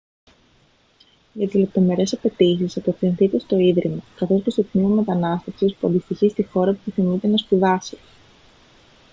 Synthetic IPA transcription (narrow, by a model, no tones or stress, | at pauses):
ʝɐt̪izle̞p̚t̪o̞me̞ɾe̞sɐpe̞t̪isisɐpefinθit̪e̞st̪o̞iðɾimɐkɐθo̞spɾost̪ot̪nimome̞t̪ɐnɐst̪ɐfsispuɐnd̪ist̪içist̪ixo̞ɾɐput̪iθimit̪e̞nɐspuðɐse